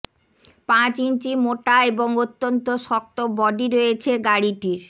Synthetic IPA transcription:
pãt͡ɕint͡ɕimoʈaeboŋot̪ːont̪oʃɔk̚t̪obɔɖiɾojet͡ɕʰeɡaɽiʈiɾ

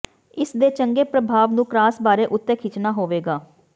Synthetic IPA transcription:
ɪsd̪eːt͡ʃəŋɡeːpɾəbʱaːʋnũːkɾaːsbaːɾeːʔʊt̪ːẽːkʰɪt͡ʃnaːɦoːʋeːɡaː

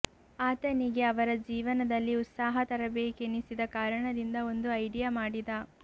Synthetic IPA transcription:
aːt̪ɐniɡe̞ɐʋɐɾɐd͡ʒiːʋɐnɐd̪ɐlːiut̪saːɦɐt̪ɐɾɐbeːkenisid̪ɐkaːɾɐɳɐd̪ind̪ɐo̞nd̪uɐjɖijamaːɽid̪ɐ

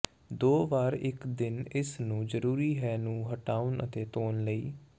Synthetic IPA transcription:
d̪oːʋaːɾɪkd̪ɪnɪsnũːzəɾuːɾiːɦɛːnũːɦəʈaːʊnə̰t̪eːt̪oːnləiː

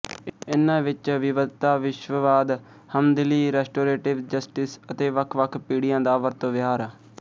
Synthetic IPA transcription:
ɪnːãːʋɪt͡ʃʋɪʋət̪aːʋɪʃʋəʋaːd̪ | həmd̪ɪliːɾɛːsʈoːɾeːʈɪʋd͡ʒəsʈɪsət̪eːʋəkʰʋəkʰpiːɽɪjãːd̪aːʋəɾt̪õːʋɪɦaːɾaː

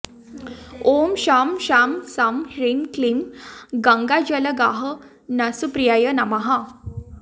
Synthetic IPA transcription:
omɕamɕamsamɾinklimɡãŋɡad͡ʑələɡaɦə | nasupɾijajənamaɦa

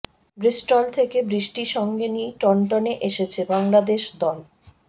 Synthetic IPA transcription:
bɾisʈolt̪ʰekebɾiʃʈiʃɔŋɡenieʈɔɳʈoneʔeʃet͡ɕʰebaŋlad̪eʃd̪ɔl

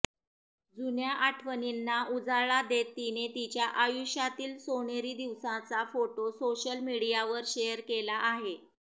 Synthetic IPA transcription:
d͡zunjaʔaʈʰʋəninːaʔud͡zaɭad̪et̪ːinet̪it͡ɕjaʔajuɕjat̪iːlsoɳ̃eɾiːd̪iʋsãt͡safoʈosoɕəlmiɽijaʋəɾɕejəɾkelaʔːɦe

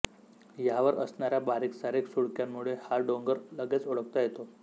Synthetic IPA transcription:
jaʋəɾə̰snaɾjabaɾiksaɾeksuɭkjamːuɭehaɖoŋɡəɾləɡet͡soɽək̚t̪ajet̪o

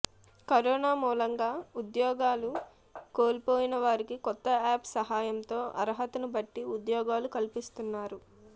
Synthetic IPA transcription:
kɐɾɔːnaːmuːlɐŋɡaːud̪jɔːɡaːlu | koːlpoːjinɐʋaːɾikikɔt̪ːɐaːpsɐɦaːjɐnt̪o̞ːʔɐ̰ɾɦɐt̪unubɐʈːiud̪jɔːɡaːlukɐlpist̪unːaːɾu

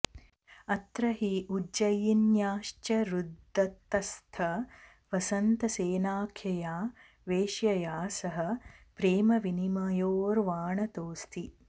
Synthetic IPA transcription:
ɐt̪ɾɐɦiʔud͡ʒɐjinjaːʃt͡ʃɐɾud̪ʱːɐt̪ːɐst̪ʰɐ | ʋɐsɐnt̪ɐseːnaːkʰjɐjaː | ʋeːʃjɐjaːsɐɦɐ̆pɾeːmɐʋinimɐjoːɾʋaːɳɐt̪oːst̪ʰi

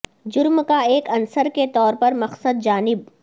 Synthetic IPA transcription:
d͡ʒʊɾmkaeːkɐnsəɾket̪ɔːɾpɐɾmɐqsəd̪̚d͡ʒaːnɪb̚

